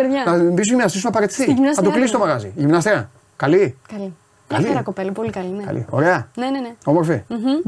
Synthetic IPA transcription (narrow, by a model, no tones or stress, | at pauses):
eɾðjɐnɐbis̬oʝiminɐst̪isumɐpɐɾe̞t̪i̥θiʝimnɐsnɐt̪oklisist̪mɐɣɐzḭʝimnɐst̪iɐ | kɐlikɐli | kɐliɐkopelɐpolikɐlinkɐ̰lʔḭo̞ɾe̞ɐneneneo̞moɾfim̩ɦ̩